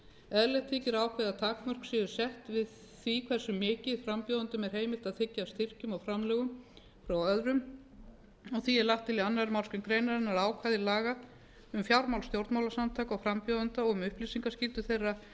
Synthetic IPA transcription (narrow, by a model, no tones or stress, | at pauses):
ɛðlɛht̪ʰɪːcɪɾaːwkʰvɛðat̪ʰaːkmœr̥ksɪðʏɾ̥sɛht̪vɪð | θikʰvɛrsʏmːɪːcɪðfɾampjɔːðant̪ʏmɛɾ̥ɦejmɪlt̪aðθɪcːast̪ɪr̥cʏmawfɾamlɛːɣʏm | fɾawœðɾʏm | ɔɣθiɛɾlaht̪ʰːɪlianːaɾmaw̪skʏmkɾejnaɾɪnaɾaːwkʰvajðɪlaːɣa | ʏmfjawɾmawlst̪jowɾt̪mawlasamt̪ʰaːkɔɣfɾampjɔðant̪aɔɣʏmʏhplisiŋkascɪlt̪ʏθejrːa